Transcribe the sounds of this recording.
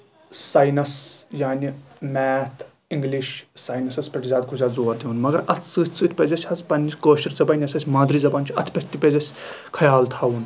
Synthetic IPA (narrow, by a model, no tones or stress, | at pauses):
saːjnɐsjaːnʲimɛːt̪ʰ | iŋɡliʃsaːjnɐsɐspʲɐʈzʲaːd̪kʰuzʲaːzoːɐɾt̪ʰʲiunmɐɡɐɾɐt̪ʰt͡sɨːt̪ʲʰt͡sɨːt̪ʰʲpʲɐzɐsʲɐzpɐnːikoːʃɐɾzɐbɐnʲɐsɐsʲmãːd̪ɾiːzɐbaːnt͡ʃʰiɐ̰t̪ʲʰpʲɐt̪ʰʲt̪ʲːipʲezɐsʲkʰɐjaːlt̪ʰaːun